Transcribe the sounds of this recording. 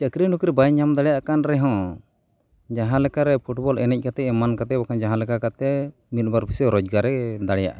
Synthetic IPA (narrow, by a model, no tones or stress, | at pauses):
t͡ʃakɾinukɾɛbajɲamd̪aɽɛjaʔkanɾɛɦɔ̃ | d͡ʒaɦãlɛkaɾɛpʰuʈbɔlɛnɛc̚kat̪ɛɛmankat̪ɛbakand͡ʒaɦãlɛkakat̪ɛ | mit̪̚ˀbaɾpʰisɔɾɔd͡ʒɡaɾɛd̪aɽɛja̰ʔa